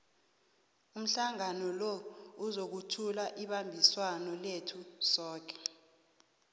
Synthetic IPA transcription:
um̩ɬaŋanɔlɔuzok̬utʰulaʔiɓambʱiswanɔletʰusɔːk̬ʰɛ̥

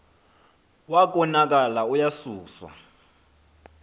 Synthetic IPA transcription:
wak̬ɔnak̬ʼalaujasuːswa̰

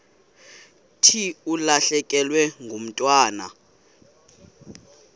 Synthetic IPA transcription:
tʰiulaɬɛk̬ʼɛlwɛŋɡʱom̩tʼwaːna̰

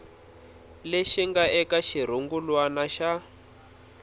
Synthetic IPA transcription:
leʃiŋɡaʔɛkaʃiɾ̤uŋɡulwanaʃa

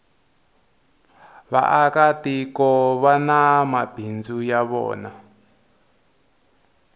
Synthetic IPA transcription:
βa̰ʔakat̪ikɔβanãmab̥ʱind͡zujaβɔ̰ːna

